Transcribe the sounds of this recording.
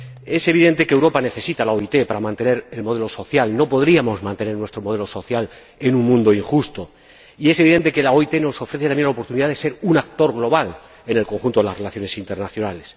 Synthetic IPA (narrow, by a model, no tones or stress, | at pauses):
e̞se̞β̞iðẽ̞nt̪e̞keːwɾo̞pane̞θe̞sit̪alaoit̪e̞paɾamãnt̪e̞ne̞ɾe̞lmoðe̞lo̞so̞θjalno̞po̞ðɾiamo̞zmãnt̪e̞ne̞ɾnwe̞st̪ɾo̞mo̞ð̞e̞lo̞so̞θjal | e̞nũŋmũnd̪o̞iŋxust̪o̞ | ie̞seiðe̞nt̪e̞ke̞laoit̪e̞no̞so̞fɾe̞θet̪amje̞nlaopo̞ɾt̪uniðaðe̞se̞ɾunak̚t̪o̞ɾɣlo̞β̞al | e̞ne̞lko̞ŋxunt̪o̞ðelasre̞laθjo̞ne̞sint̪e̞ɾnaθjo̞nale̞s